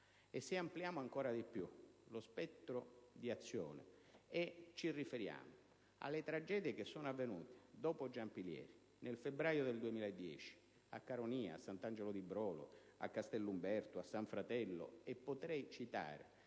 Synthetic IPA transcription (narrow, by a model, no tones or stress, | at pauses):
esːeampljaːmoaŋkɔːɾad̪ipjulospɛt̪ːɾod̪iat̪sːjo̰ːnḛet͡ʃːirifeɾja̰ːmo | a̰lːet̪ɾad͡ʒɛːd̪jekesːɔːnoavːenṵːt̪e̥d̪ɔːpod͡ʒampiljɛ̰ːɾi | nelfebɾaːjod̪eld̪uemiːlaed̪ːjɛ̰ːt͡ʃi̥ | a̰kːaɾoniːa̰a̰sːant̪and͡ʒelod̪ibɾɔːlo̰ | a̰kːast̪ɛlːumbɛrt̪oasːaɱfɾat̪ɛlːo̰epːot̪ɾɛjt͡ʃit̪a̰ːɾḛ